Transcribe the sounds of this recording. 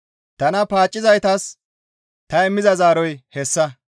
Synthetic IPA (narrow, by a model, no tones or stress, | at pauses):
t̪ɐnɐpaːt͡ʃʼːɪzɐjt̪ɐs | t̪ɐɛmːɪzɐzaːɾɔjhɛsːɐ